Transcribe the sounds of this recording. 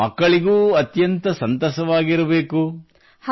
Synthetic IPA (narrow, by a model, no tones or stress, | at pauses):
mɐkːɐɭiɡuːɐt̪jɐnt̪ɐsɐnt̪ɐːsɐʋaːɡiɾɐbeːku